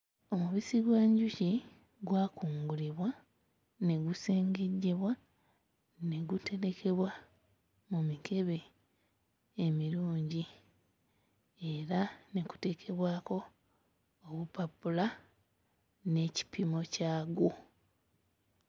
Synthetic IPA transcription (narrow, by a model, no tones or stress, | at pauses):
o̞muβisiɡwaːɲɟuci | ɡwaːkuːŋɡuliβwa | ne̞ɡuse̞ːŋɡe̞ɟːe̞βwa | ne̞ɡute̞ɾe̞kʰe̞βwa | mumike̞βe̞ | miɾuːɲɟi | e̞ɾane̞ku̥te̞ːkʰe̞βwaːko̞ː | βupapula | ne̞ːci̥pʰimo̞caːɡu